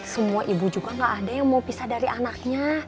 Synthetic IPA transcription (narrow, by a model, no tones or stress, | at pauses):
səmuaʔibud͡ʒuɡaŋɡaʔːdajaŋmaupisahdaɾianak̚ɲa